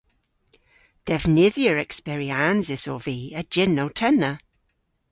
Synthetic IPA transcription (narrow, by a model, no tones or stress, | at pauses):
d̥ɛvnɪðjəɹɛkspɛɹianzɪsoviːəd͡ʒɪnːowtʰɛnːə